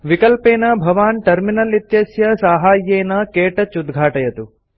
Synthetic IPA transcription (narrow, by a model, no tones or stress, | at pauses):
ʋikɐlpeːnɐbʱɐʋaːnʈɐɾminɐlit̪jɐsjɐsaːɦaːjːeːnɐkeːʈɐt͡ʃud̪ɡʱaːʈɐjɐt̪u